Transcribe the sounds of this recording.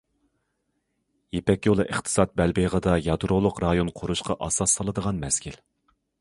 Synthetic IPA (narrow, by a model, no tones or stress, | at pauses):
jepɛkʲjolˠɨʔəχt̪ʰɨ̥sɑt̪̚bɛlbeʁəd̪ɑjɑd̪ɾolˠʊqɾɑjonqʰoɾuʃqɑʔɑsɑsːɑlˠɨd̪əʁɑnmɛskʲil